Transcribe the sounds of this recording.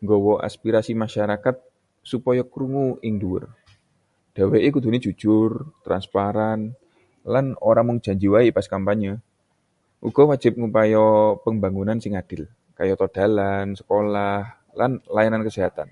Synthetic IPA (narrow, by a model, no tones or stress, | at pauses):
ŋɡɔwɔʔa̰spiɾasimaʃaɾakat̪̚ | supɔjakɾuŋuɪŋduʊ̰r | d̥aweʔekud̪̥unid͡ʒ̥u̥d͡ʒ̥ʊrt̪ɾa̰nspaɾan | lanoɾaŋməŋd͡ʒ̥aɲd͡ʒiwaipaskampaɲːa | ʔuɡ̥ɔ̤wḁd͡ʒɪp̚ŋupajɔpəmbaŋunansɪŋad̥ɪl | kajɔt̪ɔd̥a̤lansə̥kolah | lanlajanankəseɦat̪a̰n